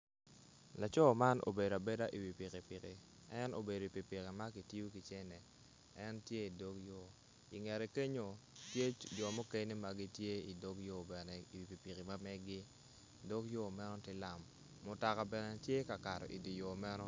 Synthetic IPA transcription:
la˨t͡ʃɔ˦ma˦nʔo̰˨be˨do˨a˨be˦da˦ʔi˨wi˨pi˨ki˨pɪ˨kɪ˨ | ɛ˦no̰˨be˨do˨i˨pi˨pi˨ki˨ma˦ki˨ti˦u˦ki˨t͡ʃe˦nɛ˨ | ɛ˦ntje˦i˨do˦kjo˨ | ḭ˨ŋɛ˨ɾe˨ke˦ɲo˨tje˦d͡ʒɔ˨mo˦ke˦ɲni˦ma˨ɡi˦tje˦i˨do˦kjo˦bɛ˨nɛ˨i˨wi˨pi˨pi˨ki˨ma˦mɛ˦ɡɪ˦ | do˦kjo˦mɛ˦nɔ˦tɪ˦la˨mː | ʊ˨ta˨ka˨bɛ˨nɛ˨tje˦ka˨ka˨ɾɔ̰˨ʔḭ˨di˨jo˨mɛ˦nɔ˦

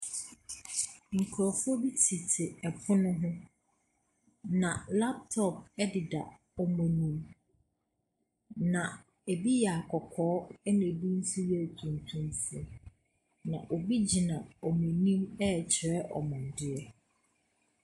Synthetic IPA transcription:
ŋ̩˨kʰɾɔ˨fɔ˦bi˦tʰi˨tʰɪ˨ɛ˨pʰʊ˦nʊ̃˦ɦʊ̃˦ | nã˨la˦p̚tʰɔ˨p̚ɛ˦dɪ˨da̰˨ | ɔ˨mɔ̃˨nĩ˦m | nã˨ | e˨bi˦ja˨kʰɔ˨kʰɔː˨˦ɛ˦nɪ̃˨e˨bi˦n̩˦sʊ˦ɥɛ˨tʰũ˨ntʰũ˦˨msi˦ | nã˨ʔo˨bi˦d͡ʑi˨nã˨ɔ˨mɔ̃˨nĩ˦mɛ˦˨t͡ɕʰɾɛ˦ʔɔ̰˨mɔ̃˨n̩˨dɪ˦ɛ˦

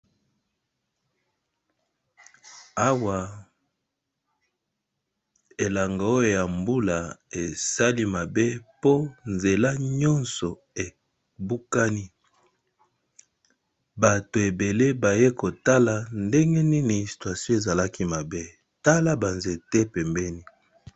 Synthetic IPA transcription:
a˦wa˨ | e˨la˨ŋɡa˨o˦jo˨ja˨mbu˦la˨e˨sa˦li˦ma˨be˦po˦nze˨la˦ɲɔ˦nsɔ˨ | e˨ | bu˦ka˦ni˦ | ba˨to˨e˨be˨le˦ba˨je˦ko˨ta˦la˨nde˦ŋɡe˦ni˦ni˨si̥˨twa˨sjɔ̃˦e˨za˨la˦ki˦ma˨be˦ | ta˦la˦ba˨nze˨te˦pɛ˨mbɛ˦ni˦

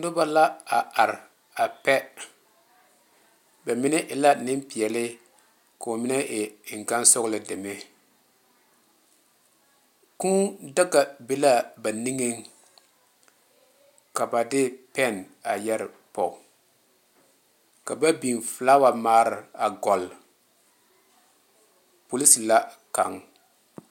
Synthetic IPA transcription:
nʊ˦ba˦la˦a˨ʔa˨ɾ | a˨pɛ˦ | ba˨mɪ˦nɛ˦ʔɪ˨la˦nɪ˦mpɪ˨ɛ˨lɪ˦ | ka˨o˨mɪ˦nɛ˦ʔɪ˨ŋ̩˨ka˦nsɔ˦ɣlɪ˦de˨me˦ | ku˦da˦ka˨be˦la˦ba˨ni˦ŋe˦ŋ | ka˨ba˨dɪ˦pɛ˦˨n | a˨jɛ˦ɾɪ˨ | pɔ˨ | ka˨ba˦bi˨nflaː˦wa˨maː˦ɾɪ˨a˨ɡɔ˨l | po˨li˦si˨la˦ | ka̰˨ŋ

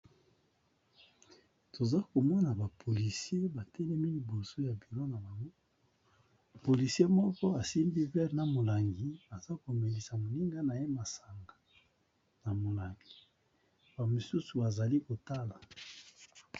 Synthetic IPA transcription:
to˨za˦ko˨mɔ˦na˨ba˨pʰo˨li˨si˦e˦ba˨tɛ˦lɛ˦mi˦li˨bo˨so˦ja˨bi˨lo˦na˨ba˨ŋɡo˦˨ | po˨li˨si˦e˦mɔ˦kɔ˦a˨si˦mbi˦vɛ˦ʁna˨mo˨la˨ŋɡi˨a˨za˦ko˨me˨li˨sa˨mo˨li˦ŋɡa˦na˨je˦ma˨sa˨ŋɡa˨ | na˨mo˨la˨ŋɡi˨ | ba˨mo˨su˦su˨ba˨za˨li˦ko˨ta˦la˨

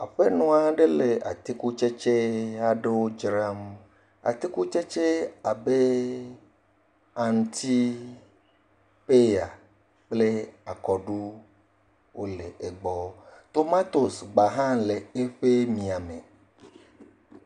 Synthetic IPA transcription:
a̰˨ɸe˦nɔ̃˦a˨ɖe˦le˨a̰˨t̪i˦ku˦t͡ʃe˦t͡ʃe˦a˨ɖe˦wo˦d͡ʒɾa˦m | a̰˨t̪i˦ku˦t͡ʃe˦t͡ʃe˦a˨be˦ | a˨n˦t̪i˦ | pe˦ja˨ | k͡ple˦a˨kɔ˨ɖu˦ | wʔo˦le˨e˨ɡ͡bɔ˦t̪o˦ma˦t̪o˨sɡ͡ba˨ɦã˦le˨e˦ɸe˦mĩ˨a˨me˨

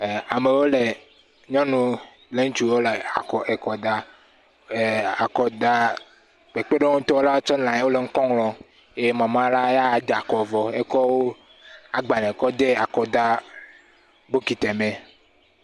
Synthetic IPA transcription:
a˨me˨wo˦le˨ | ɲɔ̃˦nũ˦ | le˦ŋ̩̃˦t͡ʃu˨wo˦le˨a̰˨kɔ˨ʔe˨kɔ˨d̪a˦˨ | a˨kɔ˨d̪a˦ | k͡pe˨k͡pe˦ɖe˦ŋũ˦t̪ɔ˦wo˦la˦wo˦t͡ʃɔ˦nlã˨ɲ˦wo˦le˨ŋ̩˦kɔ̃˦ŋlɔ̃˨ | e˦e˦mã˨mã˦la˦ja˦˨d̪e˨a˨kɔ˨vɔ˨e˦kɔ˦wo˦ | a˨ɡ͡ba˨nɛ̃˨kɔ˦d̪e˦a˨kɔ˨d̪a˦ | bo˦ki˨t̪ɛ˨mẽ˨

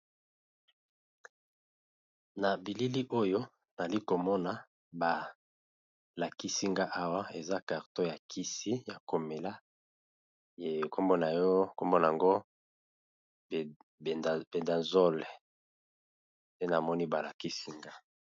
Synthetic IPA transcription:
na˨bi˨li˦li˦ʔo˦jo˦ | na˨li˦ko˨mɔ˦na˨ | ba˨ | la˨ki˦si˦ŋɡa˦ʔa˦wa˦e˨za˦ka˨ʁto˦ja˨kʰi˦si˦ja˨ko˨me˨la˦ | je˨ko˦mbo˦na˨jɔ˦ko˦mbɔ˦na˨a˨ŋɡo˦˨ | b̥e˨nda˨zɔ˦lɛ˨ | se˦na˨mɔ˦ni˦ba˨la˨ki˦si˦ŋɡa˦

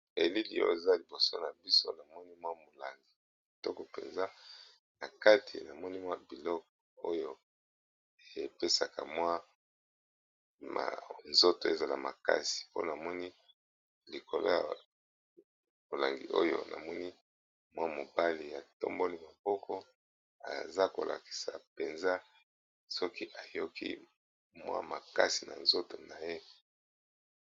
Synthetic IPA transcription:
e˨li˦li˨o̰˦e˨za˦li˨bo˨so˦na˨bi˦so˦na˨mɔ˦ni˦mwa˦mo˨la˨ŋɡi˨ | i˨tɔ˦kɔ˨pḛ˨nza˦ | na˨ka˦tʰḭ˨na˨mɔ˦ni˦mwa˦bi˨lɔ˦k̚ɔ˨o˦jo˦ | e˨e˨pe˦sa˨ka̰˨mwa˦ | ma̰˨nzo˦to˨e˦za˨la˨ma˨ka̰˦si̥˨po̰˦na˨mɔ˦ni˦ | li˨ko˨lo̰˦ja̰˨ | bo˨la˨ŋɡḭ˨ʔo˦jo̰˦nʔa̰˨mɔ˦ni˦ | mwa˦mo˨ba˦li˨ja˨to̰˦mbo˦li˦ma˨b̥ɔ˦kʰɔ˦ | a̰˨za˦ko̰˨lʔa̰˨ki̥˨sa̰˨pe˨nza˦ | sɔ˦ki˦ʔa˨jo˦kḭ˦ | mwa̰˦ma˨ka˦si˨na̰˨nzo˦to˨na˨je˦

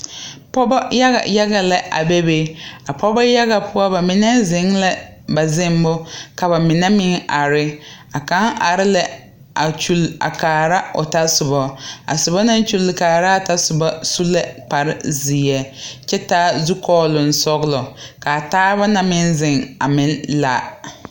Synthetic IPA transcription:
pɔ˦ba˦ja˦ɣa̰˨ja˦ɣa˨la˦ʔa̰˨bɛ˦be˦a˨pɔ˦ba˦ja˦ɣa˨pʊ˦a˦ba˨mɪ˨nɛ˦zɪ˨ŋla˦ | ba˨zɪ˦m˦bʊ˦ka˨ba˨mɪ˨nɛ˦mɪ˦ŋa˨ɾɪ˦ | a˨ka˦ŋa˨ɾɪ˦la˨ | a˨t͡ʃu˦la̰˨kaː˨ɾa˦o˨ta˦sʊ˨bɔ˦a̰˨sʊ˨bɔ˦na˦n˦t͡ʃu˦lːɪ˨kaː˨ɾa˦a˨ta˦sʊ˨ba˦su˦la˦pa˨ɾɪ˦zi˨jɛ˨t͡ʃɛ˦taː˦zu˦kɔː˦lʊ˨n˨sɔ˦ɣlɔ˨ka˨taː˦βa˦na˨mɪ˦nzɪ˨ŋa˨mɪ˨˦n˦la̰˨

